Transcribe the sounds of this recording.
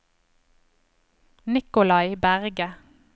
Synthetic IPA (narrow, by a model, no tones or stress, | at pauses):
nɪkʊlɑɪbæʁɡə